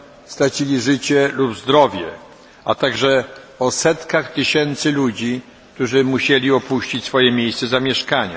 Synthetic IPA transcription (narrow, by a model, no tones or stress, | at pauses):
st̪ɾat͡ɕilʲiʐɘt͡ɕɛlubzd̪ɾɔvʲjɛ | at̪aɡʐɛ | ɔsɛt̪kaxt̪ɘɕɛnt̪sɘlud͡ʑi | k̚t̪uʐɘmuɕɛlʲiɔpuɕt͡ɕit͡ɕsfɔjɛmʲejst̪sɛzamʲjɛʂkaɲa̰